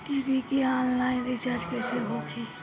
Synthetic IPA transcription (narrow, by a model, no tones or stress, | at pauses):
ʈiːbikiãːnlaːɪnɪt͡ʃaːɾd͡ʒkɛseɦokʰi